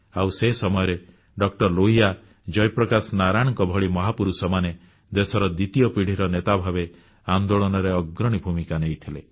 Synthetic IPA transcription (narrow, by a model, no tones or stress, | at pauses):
awsesɔmɔjɔɾe | ɖɔk̚ʈɔɾloɦija | d͡ʒɔjpɾɔkasnaɾaɽ̃ɔŋkɔbʱɔɭimɔɦapuɾusɔmane | d̪esɔɾɔd̪it̪ijɔpiɽ̤iɾɔnet̪abʱabe | and̪oɭɔnɔɾeɔɡɾɔɽ̃ibʱumikanejt̪ʰile